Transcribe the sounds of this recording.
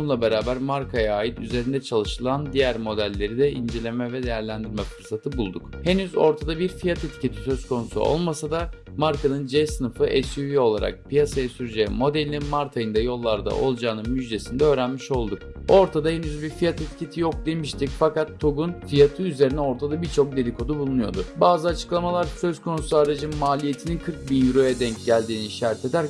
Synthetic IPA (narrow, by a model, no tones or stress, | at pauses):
unlˠabe̞ɾaːbæɾmaɾkʰajaaːjit̪yze̞ɾind̪ɛt͡ʃʰalˠɯʃɯlˠand̪ijæɾmo̞d̪ælʲːe̞ɾid̪ɛind͡ʒe̞lʲemɛvɛd̪e̞jæɾlʲænd̪iɾmɛfɯɾsat̪ʰɯbulˠd̪ukhe̞nyzo̞̰ɾt̪ʰad̪abiɾfijat̪ʰet̪ʰi̥cʰe̞t̪ʰi̥sø̞z̥kʰo̞nusṵo̰lˠmasad̪a | maɾkʰanɯnd͡ʒɛsɯnɯfɯʔɛsjuvio̞lˠa̰ɾa̰k̚pijasajasyɾd͡ʒɛmo̞d̪elʲnimaɾt̪ʰajɯnd̪ajo̞lˠːaɾd̪a̰ʔo̞̰lˠd͡ʒaːnɯnmyd͡ʒd̪e̞sind̪ɛø̞ːɾænmiʃo̞lˠd̪uk̚o̞ɾt̪ʰad̪aɦenyzbiɾfijat̪e̞t̪ʰi̥cʰe̞t̪ʰijok̚d̪e̞miʃt̪icfakat̪ʰːo̞ɡunfijat̪ʰɯyze̞ɾinɛo̞ɾt̪ʰad̪abit͡ʃʰo̞k̚d̪e̞lʲikʰo̞d̪ubulˠunujo̞d̪ʊbaːzɯat͡ʃʰɯ̥klˠamalˠaɾsø̞zkʰo̞nusuaːɾad͡ʒɯnmaːlʲije̞t̪ʰininkʰɯɾk̚binjyɾo̞jɛd̪ɛɲcɟælʲd̪iːniiʃaɾɛt̪ʰe̞d̪æɾ